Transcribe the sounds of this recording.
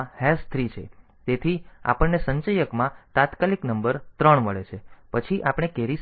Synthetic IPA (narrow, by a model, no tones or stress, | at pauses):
hɛst̪ʰɾit͡ʃʰḛ | t̪et̪ʰia̰pəɳnesə̃ɲt͡ʃəjəkmãt̪ãt̪kaliknəmbəɾt̪ɾəɳməɭet͡ʃʰepət͡ʃʰiʔapɽ̃ekeɾis